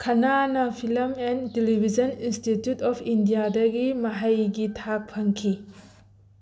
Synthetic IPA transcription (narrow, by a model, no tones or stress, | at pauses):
kʰɐnanɐpʰilɐmentelibʱid͡ʒɐninstitjutɔpʰindijadɐɡimɐɦajɡitʰak̚pʰɐŋkʰi